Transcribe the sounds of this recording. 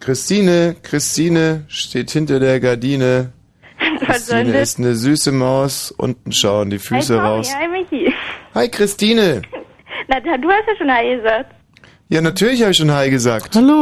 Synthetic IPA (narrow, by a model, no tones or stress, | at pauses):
kʁ̥ɪstiːnəkʁ̥ɪstʰiːnəʃteːthɪntɐdeːɐɡaɐdiːnə | fazɔnəɪstnəzyːsəmaʊsʔʊ̰ntn̩ʃaʊəndiːfyːs̬əʁaʊsaɪmɪçiːhaɪkʁ̥ɪstiːnə | nadaduːhastjaʃoːnhaɪɡəzaːk̚t | jaːnatʰyːɐlɪç̬haːbɪçʃoːnɦaɪɡəzaːkthalo